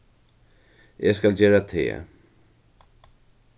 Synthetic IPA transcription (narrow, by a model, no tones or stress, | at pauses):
eskald͡ʑeːɹat̪ʰḛː